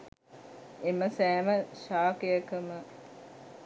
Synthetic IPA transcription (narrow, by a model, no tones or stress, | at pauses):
eməsæːməʃaːkejəkəmə